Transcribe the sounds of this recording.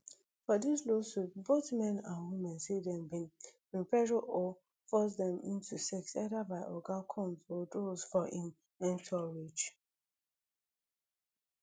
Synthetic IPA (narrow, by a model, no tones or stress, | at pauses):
fɔdislosuboθmɛ̃nãnwimɛ̃nsedɛ̃mbĩn | ɹĩmpɛɹɔʔɔ | fɔs̬dɛ̃mḭ̃ntʰusɛksɛdabaɪʔɔɡakʰɔ̃mɔdosfɔĩn | ɛ̃ntʰɔɹit͡ʃ